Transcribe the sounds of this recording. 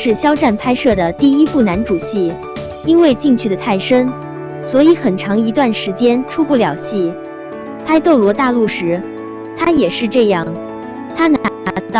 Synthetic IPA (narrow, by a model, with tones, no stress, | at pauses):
ʂɻ̩˥˩ɕjɑ˥ʊʈ͡ʂa˥˩npʰa˥ɪʂɤ˥˩d̪ə˩t̪i˥˩i˥fu˥˩na˧˥nʈ͡ʂu˨˩ɕi˥˩ | i˥nwe˥˧ɪt͡ɕi˥˧ŋt͡ɕʰy˥˩d̪ə˩t̪ʰa˥˩ɪʂə˥n | swɔ˧˥i˧˥xə˨˩nʈ͡ʂʰɑ˧˥ŋi˧˥t̪wa˥˩nʂɻ̩˧˥t͡ɕjɛ˥nʈ͡ʂʰu˥pu˥˩ljɑ˨˩ʊɕi˥˩ | pʰa˥ɪt̪o˥˩ʊlwɔ˧˥t̪a˥˧lu˥˩ʂɻ̩˧˥ | t̪ʰa˥jɛ˨˩ʂɻ̩˥˧ʈ͡ʂɤ˥˧jɑ˥˩ŋ | t̪ʰa˥na˧˥a˧˥˧t̪ɑ˥˩